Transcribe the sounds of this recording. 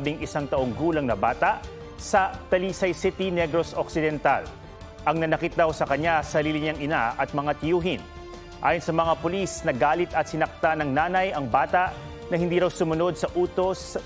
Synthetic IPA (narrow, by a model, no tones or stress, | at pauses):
bɪŋɪsaŋt̪ɐʔo̞ŋɡuːlɐŋnɐbaːt̪aʔ | sɐt̪ɐlisɐjsɪt̪inɛɡɾosoksɪd̪ɛnt̪a̰l | ʔɐŋnɐnɐkɪt̪̚d̪awsɐkɐɲasɐliːlɪɲaŋɪnaʔɐt̪̚mɐŋat̪ɪjuːɦɪn | ʔa̰ːjonsɐmɐŋapʊlisnɐɡaːlɪt̪ɐt̪sɪnɐk̚t̪anɐŋnaːnɐjɐŋbaːt̪aʔ | nɐhɪnd̪iːɾɐwsʊmʊno̞d̪̚sɐʔuːt̪os